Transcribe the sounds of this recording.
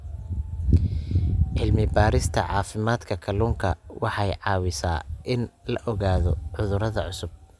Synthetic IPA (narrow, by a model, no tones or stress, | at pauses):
ʕɪlmɪbaːɾɪst̪ʰɐ̰ʕɑːfɪmaːd̪kʰɐkʰɐluːŋkʰɐwɑħɑjʕɑːwɪsaːʔɪnlɐʔɔɣaːðɔʕʊðʊɾɐðɐʕʊsʊb̚